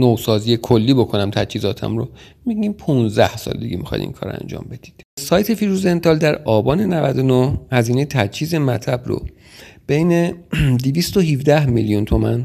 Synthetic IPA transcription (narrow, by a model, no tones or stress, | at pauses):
nosɒːzijekʰolːiːbo̞kʰo̞næmt̪ʰæt͡ʃhiːzɒːt̪ʰæ̰mɾo | miɡimpʰunzd̪æhsɒ̰ːld̪iɡemixɒ̰jd̪ḭŋkʰɒ̰ːɾ̰æ̰nd͡ʒɒ̰ːmbe̞d̪̥i̥d̪̥sɒːjt̪ʰe̞fiɾuze̞nt̪ʰɒːld̪æɾɒːbɒːne̞nævæd̪onohhæziːnejet̪ʰæt͡ʃʰhiːzemæt̪ʰlæbɾo̰ | b̥ejned̪ivist̪oɦivd̪æhmiljunt̪ʰo̞mæ̰n